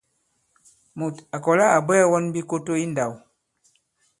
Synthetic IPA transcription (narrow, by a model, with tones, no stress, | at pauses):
mu˨ta˨kɔ˨la˦a˨bɛ˦wɔ˦nbi˦ko˦to˦i˦nda˨w